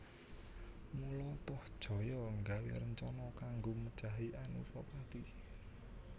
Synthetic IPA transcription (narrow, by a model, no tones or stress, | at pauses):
mulɔt̪ɔhd̥ʒ̥ɔ̤jɔŋɡawḛɾəɲt͡ʃɔnɔkaŋɡomə̥t͡ʃaɦiʔanṵsɔpad̪̥i